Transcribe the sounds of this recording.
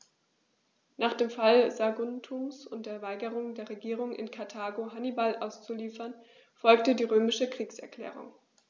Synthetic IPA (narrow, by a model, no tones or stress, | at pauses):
naːχd̥eːmfalzaɡʊntʰuːmsʊnt̚d̥eːɐvaɪɡəʁʊŋdeːɐʁeɡiːʁ̞ʊŋʔɪ̰nkʰaɐtʰaːɡoɦanibalʔaʊst͡suliːfɐn | fɔlktədiːʁøːmɪʃəkʁ̥iːksɛɐkl̥ɛ̰ːʁ̞ʊ̰ŋ